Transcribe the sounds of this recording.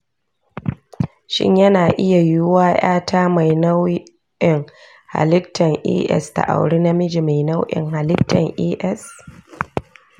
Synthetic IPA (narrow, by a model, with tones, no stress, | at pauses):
ʃɪ̰˦ɲjɐ˦naː˨ʔɪ˦ja˨jʊ˦waː˦j̰aː˦tʰaː˦ma˨jna˦w | ʔɪ˨ŋ | ha̰˨lɪ˦ktʰːɐ˨ŋʔḭː˦ʔɛ̰˦sta̰˨ʔa̰˨wɽi˦na˦mɪ˦d͡ʒi˨ma˨jna˦wʔɪ̰˨ŋɦa˨lɪ˦k̚tːɐ̰˨ŋʔiː˦ʔɛ˦s